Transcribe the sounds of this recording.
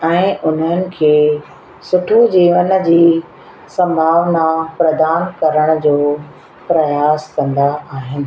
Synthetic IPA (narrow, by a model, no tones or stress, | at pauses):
ɛ̃ːʔʊn̤ənɪ̆kʰeː | sʊʈʰud͡ʑiːʋən̆d͡ʑiː | sɐ̃mbʱaːʋnapɾɐd̪aːnkɐɾəɽ̃ʊ̆d͡ʑoː | pɾɐjaːskɐ̃nd̪aʔaːɦɪnɪ̆